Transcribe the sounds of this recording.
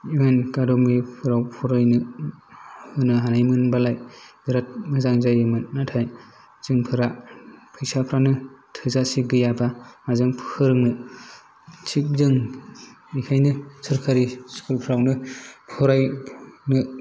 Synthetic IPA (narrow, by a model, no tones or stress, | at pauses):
ienkadɔmipʰɯɾawpʰɔɾajnɯ | hɯnɯɦanajmɯnbalajbiɾat̚mɯzaŋzajɯmɯnːatʰaj | z̥ɯŋpʰɯɾakʰɯjsapʰɾanɯtʰɯzasiɡɯjabamazɯŋpʰɯɾɯŋnɯ | sʰik̚zɯŋ | ikʰajnɯsʰɯɾkʰaɾiskulpʰɾawnɯpʰɔɾajnɯ